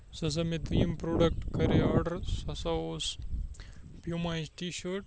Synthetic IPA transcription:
sɐs̬ɐmit̪iːmpɾoːɖɐk̚ʈkɐɾiaːɾɖɐɾsɐsɐos | pjumajsʈiːɕoʈ

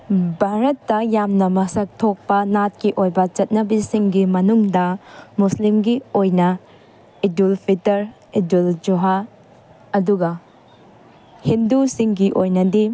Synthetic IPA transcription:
bʱaɾɐtːɐjamnɐmɐsɐk̚tʰok̚pɐnat̚kiʔojbɐt͡ʃɐt̚nɐbisiŋɡimɐnuŋdɐmuslimɡiojnɐ | idulpʰitɐɾ | iduld͡ʒuɦa | ɐduɡɐ | hindusiŋɡiʔojnɐdi

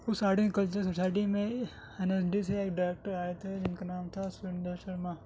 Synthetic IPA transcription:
ʊsaːɖikekɐlt͡ʃəɾsosaːɪʈimẽ | ɛnɛsɖiseeːkɖaɾeːk̚ʈəɾaːjet̪ʰed͡ʒɪnkanaːmt̪ʰasɪɳɖəʃɐɾmaː

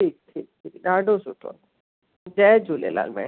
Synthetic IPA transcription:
ʈʰik̚ʈʰik̚ʈʰikdaɖosuʈo̰n | d͡ʒɛd͡ʒulḛla̰lmɛ̰

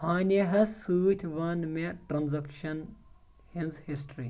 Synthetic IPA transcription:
haːnʲeɦɐsɨːt̪ʰʲʋɐnmeʈɾɐnzɐkʃɐn | hinzhisʈɾi

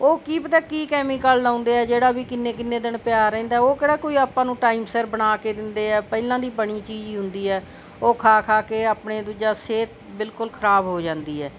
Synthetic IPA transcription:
oːkiːpət̪ɛ̃ːkiːkɛːmiːkaːlːãːʊ̃nd̪eːɛːd͡ʒeːɽaːbiːkɪnːeːkɪnːeːd̪ɪɳpjaːɾɛ̃ːnd̪aːɛoːkeːɽaːkoːiːaːpːãːnũːʈaːimsəɾbəɽ̃aːkeːd̪ɪnd̪eːɛːpɛːlãːd̪iːbəɳiːt͡ʃiːd͡ʒiːɦʊnd̪iːɦɛː | oːkʰaːkʰaːkeːaːpɳeːd̪ud͡ʒaːseːt̪ | bɪlkʊlkʰəɾaːbɦoːd͡ʒãːnd̪iːɛː

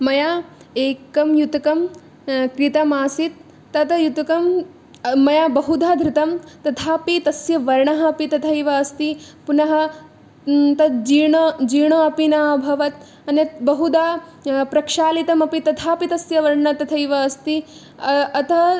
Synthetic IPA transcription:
mɐjaːeːkɐmjut̪ɐkɐm | kɾit̪ɐmaːsit̪ː | ɐt̪ɐjut̪ɐkɐmː | ɐjaːbɐɦud̪ʱaːd̪ɾɪt̪ɐmt̪ɐt̪ʰaːpit̪ɐsjɐʋɐɾɳɐɦɐ̆ːpit̪ɐt̪ʰɐjʋɐːst̪i | punɐɦɐ | t̪ɐd͡ʒiːɳɐd͡ʒiːɳoɐpinaːbʱɐʋɐt̪̚ | ɐnjɐt̪bɐɦud̪aːpɾɐkʂaːlit̪ɐmɐpit̪ɐt̪ʰaːpit̪ɐsjɐʋɐɾɳɐt̪ɐt̪ʰɐjʋɐːst̪i | ɐt̪ʰɐ

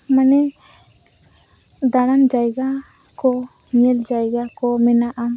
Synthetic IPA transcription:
manɛ | d̪aɽand͡ʒajɡa | kɔ | ɲɛld͡ʒajɡakɔmɛnaʔam

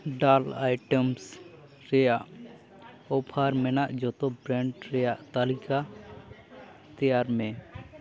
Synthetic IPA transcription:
ɖala̰jʈems | ɾɛjaʔ | ɔbʰʱaɾmɛnaʔd͡ʒɔt̪obɾɛɳɖɾɛjaʔt̪alika | t̪ɛjaɾmɛ

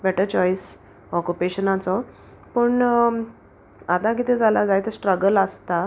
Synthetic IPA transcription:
bɛʈəɾt͡ɕɔjs | ɔkupeɕənat͡sɔ | pəɳ | at̪ãk̬it̪ʰẽd͡zalad͡zajt̪esʈɾəɡələst̪a

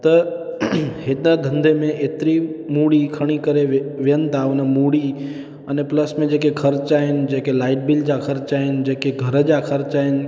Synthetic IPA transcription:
t̪ɐ | hɪɗəd̪ʱə̃nd̪ʱemẽʔeːt̪ɪɾimuːɽikʰɐɽ̃ikəɾeʋijənɪ̆t̪ʰaʊnəmuɽi | ənepləsmẽd͡ʑeːkekʰɐɾt͡ɕaːɦɪnɪ̆d͡ʑeːkelaːɪʈ̚bɪld͡ʑakʰəɾt͡ʃaːɦɪnɪ̆d͡ʑeːkeɡʱɐɾəd͡ʑakʰɐɾt͡ɕaːɦɪnɪ̆

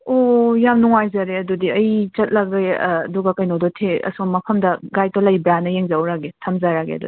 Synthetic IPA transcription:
ojamnuŋajzaɾeɐdudiɐjt͡ʃɐt̚lɐɡɐj̰ːduɡɐkɐjnodotʰeɐ̰soŋmːɐpʰɐmdɐɡajtolɐjbɾanɐjeŋzawɾaɡetʰɐmzaɾaɡḛɐ̰dṵdi

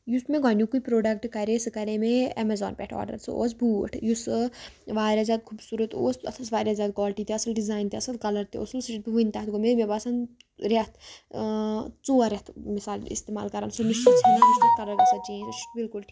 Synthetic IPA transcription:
jusmẽɡaːnjukuipɾoːɖɐk̚ʈkɐɾesɨkɐɾemẽɐmezɔ̰ːnpʲɛʈʰɔ̰ːɖɐ̰ɾso̰o̰ːsbuːʈʰjusʋaːɾʲjaːzʲaːd̪̚kʰuːbsuːɾət̪oːsɐt̪ʰɐsʋaːɾjaːzʲaːd̪̚kɔːlʈit̪eɐsɐlɖizaːjnt̪eɐsɐlkɐlɐɾt̪ḛo̰ːsɐlsʈiiʋunʲt̪aːt̪ɡomeʋebaːsɐn | ɾɐt̪ʰ | t͡soːɐɾet̪ʰmisaːlḭst̪eːma̰ːlkɐɾa̰ːnsoniʃt͡ʃit͡sʰenemut͡ʃd̪ɐt̪̚t̪ɐɾɐɡɐsɐd͡ʒiẽt͡ʃbilkulʈʰik

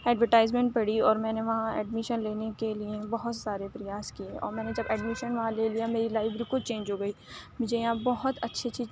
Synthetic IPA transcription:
ɛːɖʋəɾʈaːɪzmẽɳʈ̚pɐɽiɔːɾmɛ̃ːneʋɐɦãɛ̰ːɖmɪʃənleːnekeliebɔɦʊt̪saːɾepɾɪjaːskieʔɔ̰ːɾmɛ̃ːned͡ʒɐbɛːɖmɪʃənʋɐɦãleːlijameːɾilaːɪfɾikʊt͡ʃẽːɲd͡ʒɦoːɡɐiːmʊd͡ʒʱejɐɦãbɔɦʊt̪ɐtːʃʰet͡ʃiː

